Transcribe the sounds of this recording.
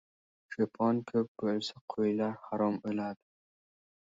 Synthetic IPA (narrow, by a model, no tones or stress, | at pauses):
ʃopʰɒnkʰɵp̚b̥olsaqʰojlaɾhaɾɒmɵlad̪ɪ